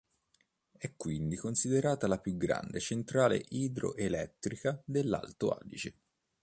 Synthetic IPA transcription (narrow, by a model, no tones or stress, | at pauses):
ɛkːwind̪ikonsid̪eɾaːt̪alapjuɡɾa̰nd̪et͡ʃent̪ɾaːlḛʔiːd̪ɾo̰ʔelɛt̪ːɾikad̪elːa̰lt̪oa̰ːlḭt͡ʃe